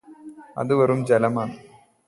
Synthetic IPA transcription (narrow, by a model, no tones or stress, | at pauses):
ɐ̰ðɨʋɐɾumd͡ʑɐlɐmaːɳɨ